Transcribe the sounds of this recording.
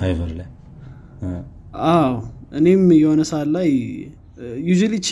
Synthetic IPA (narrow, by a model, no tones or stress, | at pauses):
ajvəɾla | awʔɨnemjɛhonəsalaj | juʒulit͡ʃː